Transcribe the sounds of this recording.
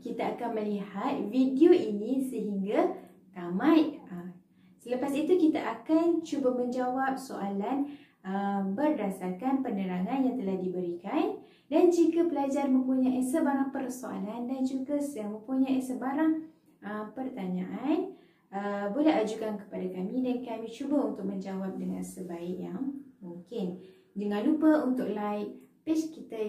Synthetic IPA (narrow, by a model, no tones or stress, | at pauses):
kit̪aːkanmə̃lihat̪̚vidioinĩsəɦiŋɡa | k̪amãjə | sələpasit̪ukit̪aʔakant͡ʃubamə̃ɲd͡ʒawap̚soalan | əbərdasakanpənəɾaŋãnjaŋt̪əlahdibəɾikan | dand͡ʒikapəlad͡ʒarmə̃mpuɲaʔisəbaɾaŋpərsoa̰landand͡ʒuɡasjaŋmə̃mpuɲãʔisəbaɾaŋ | əmpərt̪aɲãʔan | əbolɛɦad͡ʒukankə̥padakamĩdankamĩt͡ʃubəunt̪ʊk̚mə̃ɲd͡ʒawap̚dəŋãnsəbaɪʔjaŋmuŋkɪn | dəŋãnlupəunt̪ʊk̚laɪʔpɛskit̪a